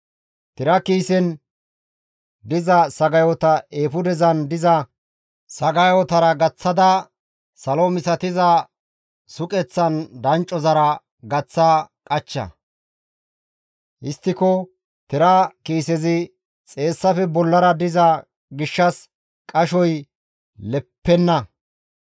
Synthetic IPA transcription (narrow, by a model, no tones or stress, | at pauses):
t̪ɪɾɐkiːsɛn | d̪ɪzɐsɐɡɐjot̪ɐeːfʊd̪ɛzɐnd̪ɪzɐ | sɐɡɐjot̪ɐɾɐɡɐt͡sːɐd̪ɐ | sɐlomɪsɐt̪ɪzɐ | sʊkʼɛt͡sːɐnd̪ɐnt͡ʃʼɔzɐɾɐ | ɡɐt͡sːɐkʼɐt͡ʃːɐ̰ | ʔɪst̪ːɪkɔ | t̪ɛɾɐkiːsɛzɪ | t͡sʼe̞ːsːɐfɛbɔlːɐɾɐd̪ɪzɐ | ɡɪʃːɐs | kʼɐʃɔj | lɛpːɛnːɐ